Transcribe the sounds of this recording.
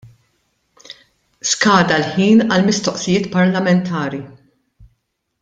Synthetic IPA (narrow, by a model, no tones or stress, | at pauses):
skɐːd̪ɐlħiːnɐlmɪst̪ɔʔsijɪːt̪pɐɾlɐmɛnt̪ʰɐːɾi